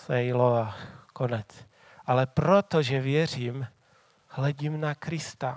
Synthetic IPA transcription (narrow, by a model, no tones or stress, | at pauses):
sɛjloakonɛt͡s | ʔalɛpɾot̪oʒɛvjɛriːm | hlɛɟiːmnakɾɪst̪a